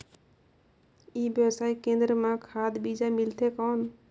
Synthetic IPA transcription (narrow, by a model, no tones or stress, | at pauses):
ibjəwsaikẽnd̪ɾəmãkʰad̪bid͡ʒamilt̪ʰekɔn